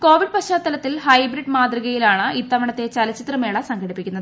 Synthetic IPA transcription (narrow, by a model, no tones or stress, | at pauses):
ko̞ːʋiɖ̚pɐɕaːt̪ːɐlɐt̪ːilhɐjbɾiɖmaːd̪riɣɐjilaːɳɨʔit̪ːɐʋɐɳɐt̪ːe̞t͡ɕɐlɐt͡ɕːi̥t̪rɐme̞ːɭɐsɐŋɡɐɽipːikʲːunːɐðɨɨ